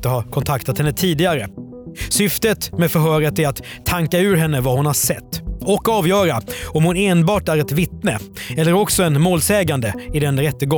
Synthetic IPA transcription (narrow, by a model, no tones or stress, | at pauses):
t̪əɦɑɾkʰɔnt̪ʰakt̪at̪hɛnːət̪ʰiːd̪ɪɡaɾə | sʏft̪ət̪meːd̪fœɾɦœːɾət̪ɛɾat̪ʰːaŋkaʉ̟ːɾɦɛnːəvahʊnhaɾʂɛt̪ːɔkːɑːvjœːɾaɔmhʊneːnbɑːʈæɾɛt̪vɪt̪nəɛlːəɾɔksɔɛnmoːlsɛːɡand̪əɪd̪ɛnɾɛt̪ːəɡɔ